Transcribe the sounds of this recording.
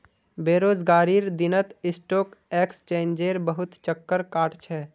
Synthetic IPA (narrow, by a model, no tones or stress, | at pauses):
beːɾoːd͡ʒɡaːɾiːɾd̪ɪnət̪ɪsʈoːkeːkst͡ʃẽːnd͡ʒeːɾbəɦʊt̪t͡ʃəkːəɾkaːʈt͡ʃʰɛː